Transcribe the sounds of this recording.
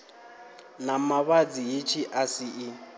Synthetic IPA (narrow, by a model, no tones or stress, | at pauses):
namaβad͡zijet͡ʃʰiʔasɪɪ